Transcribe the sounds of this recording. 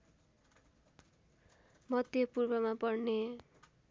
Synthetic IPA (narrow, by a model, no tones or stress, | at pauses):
mʌd̪jʌpurbʌmapʌrne